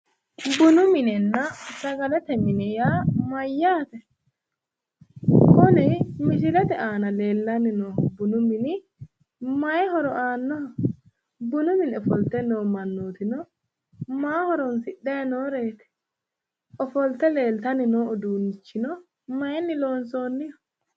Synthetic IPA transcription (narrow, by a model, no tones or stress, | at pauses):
bʊnʊmɪnɛnːɐsɐɡɐlɛt̪ɛmɪnɛjaːmɐjːaːt̪ɛ | kɔnɛmɪʃɪlɛt̪ɛʔaːnɐle̞ːlːɐnɪnoːhbʊnʊmɪnɪ | mɐjɛɦɔɾɔʔaːnːɔhɔ | bʊnʊmɪnɔfɔlt̪ːɛnoːmɐnːoːt̪ɪnɔ | maːhɔɾɔnsɪɗːɛjnoːɾeːt̪ɛ̥ | ɔfɔlt̪ɛle̞ːlt̪ɐnɪnoːʔɔd̪uːnːɪt͡ʃːɪnɔ | mɐjɛnːɪlo̞ːnsoːnːɪjɔ